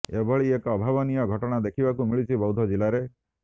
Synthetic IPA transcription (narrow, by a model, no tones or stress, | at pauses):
ebʱɔɭiekɔbʱabɔnijɔɡʱɔʈɔɽ̃ad̪ekʰibakumiɭit͡ʃʰibɔwd̪ʱɔd͡ʒilaɾe